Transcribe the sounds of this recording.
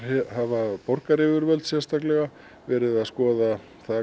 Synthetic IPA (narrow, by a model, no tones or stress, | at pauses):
havapɔɾkaɾɪːvʏɾvœlt̪sjɛ̥st̪aklɛɣa | vɛːɾɪðaðskɔːða | θað